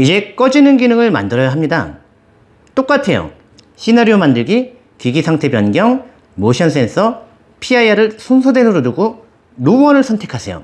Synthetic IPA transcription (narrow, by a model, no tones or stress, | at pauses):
id͡ʑe̞k͈ʌd͡ʑinɯnɡinɯŋɯɭma̰ndɯɾʌjaɦamɲida̰ | t͈ok͈atʰe̞jo̰ | ɕʰinaɾiomandɯɭɡi | kiɡisʰaŋtʰe̞pjʌnɡjʌŋ | moɕʰjʌns̬͈ʰe̞nsʰʌ | pʰiaiaɾɯɭsʰonsʰode̞nɯɾoduɡo | ɾoʌnɯɭsʰʌntʰe̞kʰasʰejo̰